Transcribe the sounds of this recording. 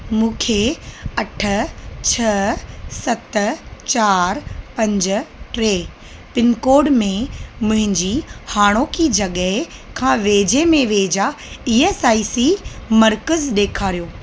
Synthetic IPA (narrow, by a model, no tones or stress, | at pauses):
mũːkʰeɐʈʰə̆t͡ɕʰɐsɐt̪t͡ɕaːɾpɐ̃ɲd͡ʑʊ̆ʈɾeː | pɪnkoːɖmẽmʊ̃ɦɪ̃ɲd͡ʑihaːɽ̃okid͡ʑɐɠəɦɪ | kʰãːʋeːd͡ʑemẽʋeːd͡ʑaiːeːsaːisimɐɾkəzɗeːkʰaːɾijoː